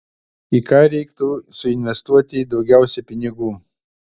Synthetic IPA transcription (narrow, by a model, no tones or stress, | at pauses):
ikaːɾikt̪usuinvest̪uɐt̪id̪oɡʲawsepiniɡum